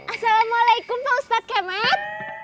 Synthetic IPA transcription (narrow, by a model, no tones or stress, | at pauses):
ʔasalamualajkʊmaust̪at̪̚kamat̪̚